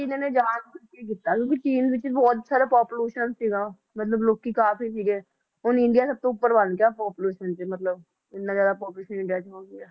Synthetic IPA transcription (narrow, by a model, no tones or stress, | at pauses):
ɪnõːneːd͡ʒaːnkəɾkek̬ɪt̪ːaːkjõːkit͡ʃiːnzʋɪt͡ʃbɔːt̪saːɾapaːpʊleːʃənsiːɡaː | mət̪ləbloːkːikaːpʰisiːɡeː | ɦʊnɪ̃ɳɖijaːsəb̚t̪õːʊpːəɾbənkaːpɔːpleːʃənt͡ʃemət̪ləb | ɪt̪naːzjaːd̪aːpɔːpleːʃənɪ̃ɳɖijaːt͡ʃɦoːɡiaː